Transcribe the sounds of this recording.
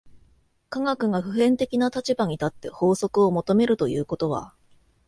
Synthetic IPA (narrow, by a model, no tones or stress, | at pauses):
kaŋakɯ̟ɡaɸɯ̟ɦẽ̞nt̪e̞kʲinat̪at͡ɕibaɲ̟it̪at̪ːe̞ho̞ːso̞kɯ̟o̞mo̞t̪o̞me̞ɾɯ̟t̪o̞jɯ̟ːko̞t̪o̞βa̰